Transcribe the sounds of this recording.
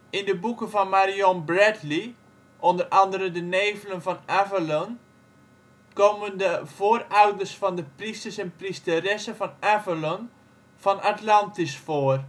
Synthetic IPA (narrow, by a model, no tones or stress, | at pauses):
ɪndəbukəvɔnmaɾiɔnbrɛtli | ʔɔndərɑndəɾədəneːvələnfɔnavəlon | koːməndəv̥oərawdərsfɔndəpristərsɛnpristərɛsəfɔnavəlɔn | fɔnʔatlɑntisfoər